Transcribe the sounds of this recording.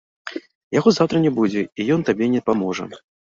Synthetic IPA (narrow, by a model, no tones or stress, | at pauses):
jaɣɔzawt̪ɾɐnʲɛbud͡zʲɛijɔnt̪abʲɛnʲɛpamɔʐə̰